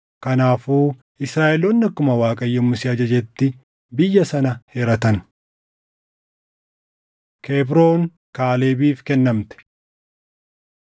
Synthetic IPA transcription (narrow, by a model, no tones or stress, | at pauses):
kɐnaːfuː | ɪsɾaːʔɛlɔnːɐkʊmɐwaːkʼɐjːɛmːʊsɪɐd͡ʒɐd͡ʒɛt̪ːɪ | bɪjːɐsɐnɐheːɾɐt̪ɐn | kʰeːbɾo̞ːŋ | kaːle̞ːbiːfkɛnːɐmt̪ɛ̥